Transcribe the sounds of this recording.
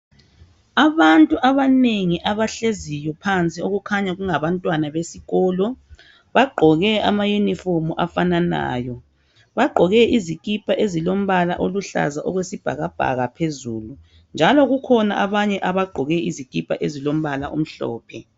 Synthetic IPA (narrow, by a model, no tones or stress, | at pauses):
aβantʼuʔaβaneŋiʔaβaɬezijɔpʰant͡sʼioɣukʰaɲaɣuŋaβantʼwanaβesiɣɔːlɔ | βaɡ͡ǃʱɔɣɛa̰majuniformuʔafanana̰ːjɔ | βaɡ͡ǃʱɔɣɛʔizikʼipʼaʔezilom̩βala̰ʔoluɬa̰zaʔɔɣwesib̥ʱa̰ɣab̥ʱa̰ɣapʰezuːlu | nd͡ʒʱalɔɣukʰɔna̰ʔaβaɲɛʔaβaɡ͡ǃʱɔɣɛizikʼipʼa̰ʔezilom̩βalaʔṵm̩ɬɔ̰ːpʰɛ